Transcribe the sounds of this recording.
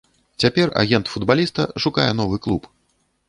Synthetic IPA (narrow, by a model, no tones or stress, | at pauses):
t͡sʲapʲɛra̰ɣʲɛnt̪fud̪balʲist̪ɐʂukajɛn̪ɔvɨklˠup